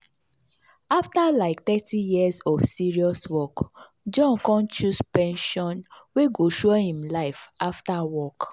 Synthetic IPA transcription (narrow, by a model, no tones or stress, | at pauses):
aftalaɪk̚tɛtijiazɔfsiɹiɔswɔk | d͡ʒɔ̃nkɔ̃nt͡ʃuspɛ̃nʃɔ̃nweɡoʃuhĩmlaɪfaftawɔk